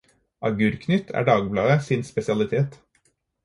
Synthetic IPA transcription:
ʔɑɡʉːɾkʰnʏt̪ʰæ̰ːɖɑːɡblɑːəsɪnspɛsɪɑlɪt̪ʰeːt̪

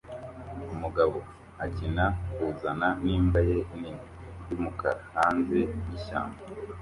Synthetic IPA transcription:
umuɡaβo̞ | aɟinakuzananiːmbaje̞ininijumuka̰ɾahaːnze̞jiʃa̰ːmɡa

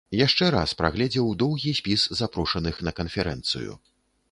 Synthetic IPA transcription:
jaʂt͡ʂɛɾa̰spɾa̰ɣlʲɛd͡zʲɛwd̪ɔwɣʲisʲpʲiszapɾɔʂɐnɨxnɐkɐnfʲɛɾɛ̰nt̪sɨ̰jṵ

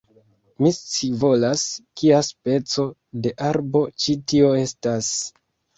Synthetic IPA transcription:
mist͡sivo̞laskiaspe̞t͡so̞de̞ʔaɾbo̞t͡ʃitio̞e̞stas

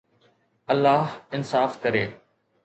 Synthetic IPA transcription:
ɐlːaːɦɪnsaːfkɐɾeː

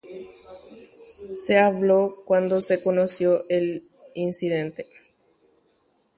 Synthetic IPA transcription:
seaβlokwand̪ose̞konosjoʔelinsiðent̪e

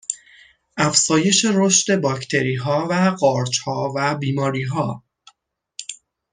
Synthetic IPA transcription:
ʔæfsɒːje̞ʃe̞ɾoʃt̪e̞bɒːcʰt̪ʰe̞ɾiːɦɒːvæɢɒːɾt͡ʃhɒːvæbiːmɒːɾiːɦɒː

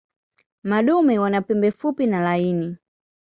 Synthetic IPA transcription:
maɗumɛwanapɛmbɛfupinalaiːni

